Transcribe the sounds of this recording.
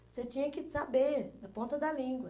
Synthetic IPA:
oset͡ʃĩɲɐkɪsabenɐpõnt̪ɐd̪ɐlĩɡwɐ

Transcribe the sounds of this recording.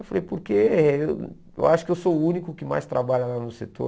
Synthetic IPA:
efalejpoɾkeew | ḛwʔaʃʊ̥kɪewsoʊũnikʊkɪma̰jst̪ɾabaʎɐlanʊset̪o̰

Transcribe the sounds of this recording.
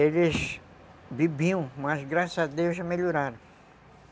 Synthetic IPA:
elɪs | bibiɐ̃mɐzɡɾasɐzad̪ewzʒameʎoɾaɾɐ̃w̃

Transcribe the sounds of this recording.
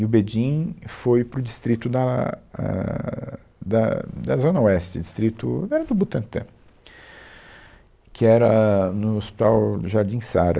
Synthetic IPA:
ɪʊbed͡ʒĩj̃fojpɾʊd͡ʒist̪ɾit̪ʊd̪ɐɛ̰ | d̪ɐ̰d̪ɐzõnɐoɛst͡ʃɪd͡ʒist̪ɾit̪ʊ̰ɛɾɐd̪ʊbut̪ɐ̃t̪ɐ̰̃ | kʰɪɛɾɐnʊospi̥t̪awʒaɾd͡ʒĩsaɾɐ̰

